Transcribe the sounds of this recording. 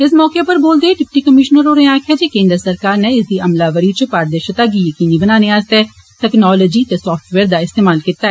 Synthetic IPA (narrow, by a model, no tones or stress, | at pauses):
ɪs̬mɔːkeːpəɾboːld̪eːɖɪp̚ʈiːkəmɪʃnəɾoːɾẽːãːkʰɛːd͡ʒeːkẽːnd̪əɾsəɾkaːɾneːɪsd̪iːʔəmlaːʋəɾiːt͡ʃəpaːɾd̪əɾʃət̪aːɡiːjəkiːniːbənaːneːaːst̪ɛː | ʈ̪ɛknɔːlɔːd͡ʒiːt̪eːsɔːfʈʋɛːɾd̪aːɪst̪eːmaːlkit̪aːɛː